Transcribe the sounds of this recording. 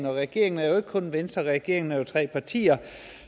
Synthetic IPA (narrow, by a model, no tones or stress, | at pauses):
n̩ɒ̽ʁɛɡ̥e̝̰ɐeŋn̩æɐjo̝e̝ɡ̥əkʰɔ̽nʋensd̥ɐʁɛɡ̥e̝̰ɐe̝ŋn̩æjot͡sʰʁɛ̰ːpʰɑ̈t͡sʰḭːɐ